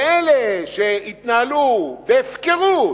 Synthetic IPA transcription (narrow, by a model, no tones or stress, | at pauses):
eleʃeit̪naalubeːfkeʁu